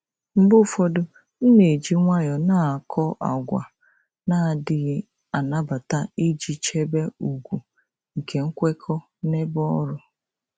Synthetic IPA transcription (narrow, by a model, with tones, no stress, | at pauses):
m̩˨bʊ˦˨fɔ˦dʊ˦ | n̩˦ne˨d͡ʒi˦ŋʷa˦jɔ˨na˦˨a˨kʰɔ˦ʔa̰˨ɡʷa̰˨ | na˨dɪ˨ɣ | a˨na˦ba˨ta˦i˦d͡ʒi˨t͡ʃe˦be˦u˨ɡʷu˨ | ŋ̩˨kʰe˨ŋ̩˦kʷe˦kʰɔ˦ | ne˦bɔ˦ɾʊ˦